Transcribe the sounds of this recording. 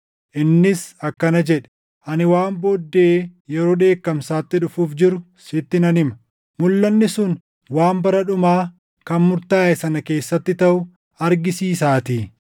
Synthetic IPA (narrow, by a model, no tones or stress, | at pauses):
ʔɪnːɪsɐkːɐnɐd͡ʒɛᶑɛ̥ | ʔɐnɪwaːmboːd̪ːe̞ːjɛɾo̞ːᶑe̞ːkːɐmsaːt̪ːɪᶑʊfuːfd͡ʒɪɾʊ | sɪt̪ːɪnɐnɪmɐ | mʊlːɐnːɪsʊn | waːmbɐɾɐᶑʊmaː | kɐnmʊɾt̪aːʔɛsɐnɐke̞ːsːɐt̪ːɪt̪ɐʔʊ | ɐɾɡɪsiːsaːt̪iː